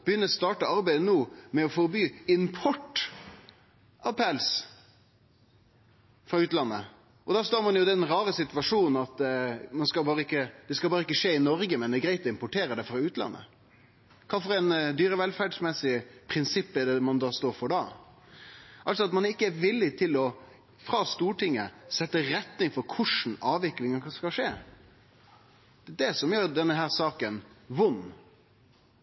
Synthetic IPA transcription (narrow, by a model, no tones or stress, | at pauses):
b̥əjʏnːəst̪ɑːʈəɑɾbæɪd̪ənoːmɛɔfɔɾbyːɪnpʰɔʈː | ʔɑʋpʰɛls | fɾɑʉːt̪lɑnːə | ʔɔd̪ɑːst̪oːɾmɑnjʊd̪ɛnɾɑːɾəsɪt̪ʋɑʂuːnn̩ɑt̪mɑnskɑbɑːɾəɪkːəd̪̥ɛskɑlbɑːɾəɪkːəʂeːɪnɔɾɡəmɛnd̪ɛɡɾæɪt̪ɔɪmpʊʈʰeːɾəd̪ɛfɾɑʉːt̪lɑ̰nːʔə̰ | kʰɑːfɔɾɛɪnd̪yːɾəʋɛlfæɖsmɛsɪpʰɾɪnsɪpːɛd̪ɛmɑnd̪ɑːst̪oːɾfɔɖɑː | ʔɑlsɔɑt̪mɑnɪkːəæɾʋɪlːɪt̪ʰɪlɔ | fɾɑːst̪uːʈɪŋːəsɛt̪ːəɾɛt̪nɪŋfɔɾkʰʊʂn̩ɑːʋɪklɪŋɑskɑʂeː | d̪ɛd̪ɛsɔmjøːɾɖ̪ɛnːəɦæːɾsɑːkənʋʊnː